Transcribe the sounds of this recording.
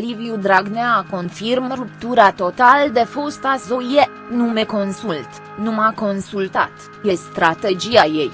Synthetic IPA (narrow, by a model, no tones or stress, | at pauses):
livijud̪ɾaɡneako̞nfirmrup̚t̪uɾat̪o̞t̪ald̪e̞fost̪asoje | nume̞ko̞nsult̪ | numako̞nsult̪at̪ | je̞st̪ɾat̪e̞d͡ʒiaje̞j